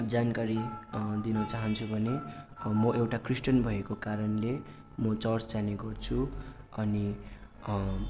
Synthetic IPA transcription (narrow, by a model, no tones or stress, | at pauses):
d͡zankaɾid̪inʌt͡saɦʌnt͡sʰubʱʌnemʌewʈakrisʈʌnbʱʌekokaɾʌnle | mʌt͡sʌrt͡sd͡zaneɡʌrt͡sʰu | ʌni